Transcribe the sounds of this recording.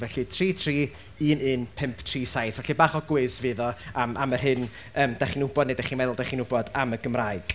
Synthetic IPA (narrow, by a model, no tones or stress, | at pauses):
vɛɬɨtʰriːtʰr̥iː | iənɨnpʰɪmpʰtʰriːsajθvɛɬɨbaːχɔɡwɪsvɨːðɔamamərɦɪn | əːmd̥aχinʊbɔdnedaχiːnmɛðʊlˠdaχinʊbɔdaməɡəmraɨɡ̥